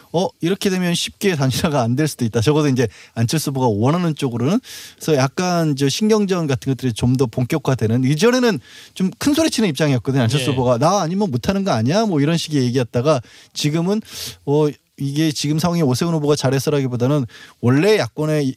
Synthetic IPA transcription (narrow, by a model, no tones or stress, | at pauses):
ʌiɾʌkʰe̞dwe̞mjʌnɕʰip̚k͈e̞taŋɕʰiɾaɡaːndweɭs͈udoit̚t͈at͡ɕʌɡʌdoind͡ʑe̞ant͡ɕʰʌɭs͈oboɡawʌnɦanɯnt͡ɕ͈oɡɯɾonɯnsʰʌjak̚k͈and͡ʑʌɕʰinɡjʌŋd͡ʑʌnɡatʰɯnŋɡʌt͈ɯɾit͡ɕomdʌpoŋk͈jʌkʰadwe̞nɯnid͡ʑʌne̞nɯnt͡ɕomkʰɯnsʰoɾet͡ɕʰinɯnip̚t͡ɕ͈aŋijʌk͈̚ʌdɯɲant͡ɕʰʌs͈oboɡanaːɲimjʌnmotʰanɯnɡʌnaɲiamʌiɾʌnɕʰiɡije̞ɡiɦat̚t͈aɡat͡ɕiɡɯmɯnʌ | iɡe̞t͡ɕiɡɯmsʰawʌŋeosʰeɯnoboɡat͡ɕaɾɦes͈ʌɾɦaɡibodanɯnwʌɭːe̞jak̚k͈ʌne̞